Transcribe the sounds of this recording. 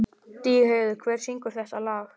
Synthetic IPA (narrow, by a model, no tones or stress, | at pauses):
t̪iːheːjðʏkʰvɛːɾ̥siŋkʏɾ̥θɛht̪alaːx